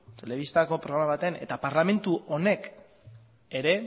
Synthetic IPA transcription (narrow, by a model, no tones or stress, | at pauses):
t̪e̞le̞βist̪ako̞pɾoɣɾamaβat̪ene̞̰t̪apaɾlame̞nt̪uʔo̞ne̞k | e̞ɾe̞